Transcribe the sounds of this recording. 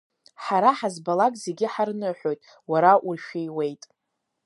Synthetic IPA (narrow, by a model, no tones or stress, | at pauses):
ħaɾaħazbalakʼze̞ɡʲɪħarnɨħʷᶣo̞jtʼ | waɾaʔurʃᶣijwe̞jtʼ